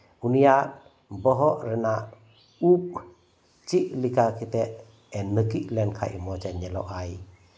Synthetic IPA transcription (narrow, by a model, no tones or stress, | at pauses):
unijat̚ | bɔɦɔʔɾɛna | up̚ | t͡ʃiʔlikakʰit̪ɛʔ | ɛnːɯkiʔlɛnkʰa̰ʔimɔd͡ʒɛɲɛlɔ̰ʔaj